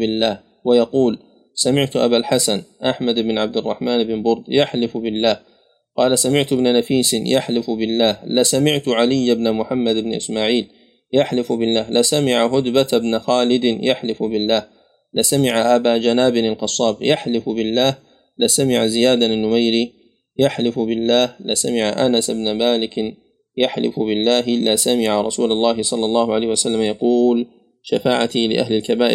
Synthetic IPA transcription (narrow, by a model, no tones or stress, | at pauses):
bɪlːaːh | wajɑquːl | samɪʕt̪ʊʔa̰balħasanʔaħmad̪ɪbnʕab̚d̪ɪrˤːɑ̰ħmaːnɪbɪnbʊɾd̪jaħlɪfbɪlːaːh | qɑːlasamɪʕt̪ʊɪbnanafiːsɪnjaħlɪfbɪlːaːhlɪsamɪʕt̪ʊʕalɪjːabnamʊħamːad̪ɪbnʔɪ̰smaːʕiːl | jaħlɪfbɪlːaːhlɪsamɪʕaɦʊd̪bat̪bnaxaːlɪd̪jaħlɪfbɪlːaːh | lasamɪʕaʔabaːd͡ʒanaːbɪɾalqɑsˤːɑːbjaħlɪfbɪlːaːh | lasamɪʕazɪjaːd̪aanːʊmajɾi | jaħlɪfʊbɪlːaːhlɪsamɪʕaʔa̰nasɪbnamaːlɪk | jaħlɪ̰fʊbɪlːaːɦʔɪlːaːsamɪʕaɾˤɑsuːlɑlˤːɑːɦɪsˤɑlːɑlˤːɑːhʊʕalajːhɪwasalːamajɑquːl | ʃafaːʕat̪ilɪ̰ʔa̰ɦlɪlkabaːʔɪɾ